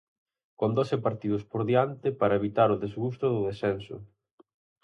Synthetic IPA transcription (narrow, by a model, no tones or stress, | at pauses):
kond̪osɪpaɾt̪iðʊspoɾðiant̪ɪpaɾɐeβit̪aɾʊðezɣust̪ʊðʊðesɛnsʊ̰